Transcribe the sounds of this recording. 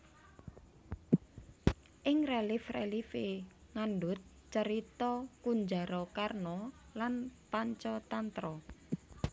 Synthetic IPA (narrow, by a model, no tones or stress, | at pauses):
ʔɪŋrelifrelife | ŋanɖʊt̪̚ | t͡ʃəɾit̪ɔkuɲd͡ʒaɾɔkarnɔ | lanpaɲt͡ʃɔt̪ant̪ɾɔ